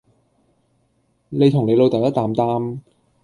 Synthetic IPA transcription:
le˨˧jt̪ʰʊ˨˩ŋle˨˧jlo˨˧wt̪ɐ˨wjɐ˥t̪aː˨mt̪aː˧m

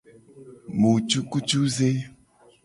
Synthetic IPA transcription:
mu˨t͡ʃu˦ku˦t͡ʃu˦ze˦

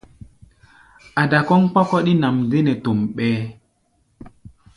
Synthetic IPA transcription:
a˨da˨kɔ˦ŋk͡pa˦kɔ˦ɗi˦na˨mze˦nɛ˨to˨mɓɛː˦

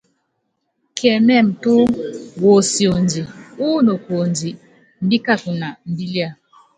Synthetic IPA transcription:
kʰɛ˨mɛ˦˨m̩˨tu˦wo˨si˨o˨nd͡ʒi˨u˦no˨ko˨nd͡ʒi˨ | m̩˦bi˦ka˦˨ku˨na˨m̩˨bi˦li˦a˦˨

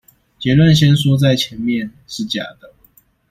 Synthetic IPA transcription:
t͡ɕjɛ˧˥lwə˥˨nɕjɛ˥nsɔ˥t͡sa˥˩ɪt͡ɕʰjɛ˨˧˥nmjɛ˥˨n | ʂɻ̩˥˩t͡ɕja̰˨˩d̪ə˦

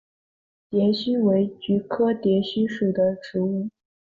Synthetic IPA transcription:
t̪jɛ˧˥nɕy˥we˧˥ɪt͡ɕy˧˥kʰɤ˥t̪jɛ˧˥ɕy˥ʂu˨˩d̪ə˦ʈ͡ʂɻ̩˧˥u˥˩

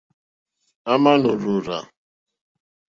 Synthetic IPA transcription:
a˦ma˦nʊ˨ɾu˨ɾa̰˨

